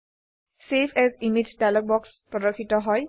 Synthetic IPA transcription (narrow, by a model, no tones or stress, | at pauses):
sepʰɛzimid͡ʒdalɔk̚bɔkspɹɔdɔkʰːitɔɦɔj